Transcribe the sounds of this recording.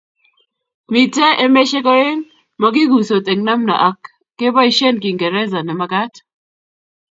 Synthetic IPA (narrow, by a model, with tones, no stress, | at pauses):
mi˨te˦ʔe˦me˦ʃe˦kɔ˦ɾe˦n | mɔ˨ɡi˦ɡu˨so˨t̪ʼe˨ŋna˦mna̰˨ʔa˨kː | e˦ba˦i˨ʃe˦nki˨ŋɡe˨ɾe˦za˨nɛ˨ma˨˦ka˦t